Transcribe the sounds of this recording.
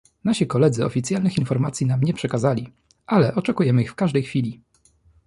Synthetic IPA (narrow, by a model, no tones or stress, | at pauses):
naɕikɔlɛd̪zɘɔ̰fʲit̪sʲjalnɘxinfɔɾmat̪sʲjinamɲɛpʂɛkazalʲi | ʔalɛʔɔt͡ʂɛkujɛmɘixfkaʐd̪ɛjxfʲilʲi